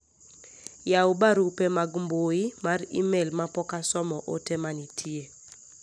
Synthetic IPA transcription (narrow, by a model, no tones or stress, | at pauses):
jaubaɾupemaɡmboimarḭmelmapɔkasɔmɔʔo̰temanitʰie